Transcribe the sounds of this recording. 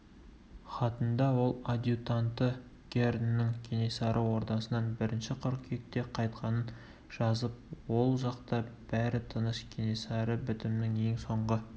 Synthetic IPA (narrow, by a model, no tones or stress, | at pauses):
χɑt̪ənd̪ɑwo̞lˠad̪ʲjut̪ant̪ə | ɡʲerd̪nːɪŋkʲʰenesɑɾʔəwo̞ɾt̪ɑsənɑnbɪɾɪnʃɪqʰʊɾkʲʰek̚t̪e̞qʰɑjt̪qɑnən | ʒ̥ɑzəp̚wo̞lˠʒɑqt̪ɑb̥æɾɪt̪ʰənəʃkʲʰinʲisɑɾəbʏt̪ɪmnɪŋe̞ŋso̞ɴʁə